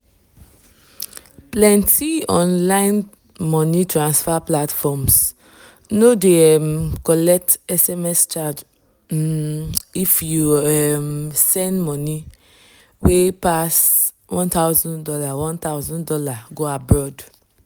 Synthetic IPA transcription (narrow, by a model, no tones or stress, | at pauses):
plɛ̃ntʰiɔ̃nlãɪn | mɔ̃nĩtɾãnsfaplatfɔms | nodeɛmkɔlɛk̚tɛsɛmɛst͡ʃad͡ʒ | ifjuɛmsɛ̃ndmɔ̃nĩ | wepas | wɔ̃nt̪awzɔ̃ndɔlawɔ̃nt̪awzɔ̃ndɔlaɡoabɹɔd